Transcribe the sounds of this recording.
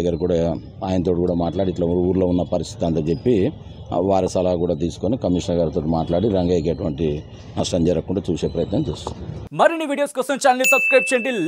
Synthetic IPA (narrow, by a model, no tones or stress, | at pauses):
ɡɐːɾkuːɽa | aːjinɐt̪oʈikuːɽaːmaːʈlaːɽiʈlauuuːɾlo̞ːunːɐpɐɾist̪ʰit̪iɐnt̪ɐt͡ʃepːi | ʋaːɾɐsɐlɐakuːɽaːt̪̬iːsu̥konikɐmiːʂnɐɡaːɾit̪o̞ːʈimaːʈlaːɽiɾɐŋɡaːjk̬eːʈuʋɐɳʈi | nɐʂʈɐmd͡ʒɐɾɐkːkuɳɖaːt͡ʃuːse̞ːpɾɐjɐt̪nɐmt͡ʃeːsut̪u̥nd̪iimɐɾiniʋiːɖijoːskɐsɐɲt͡ʃaːlnisɐbskɾɐjp̚t͡ʃeɳʈil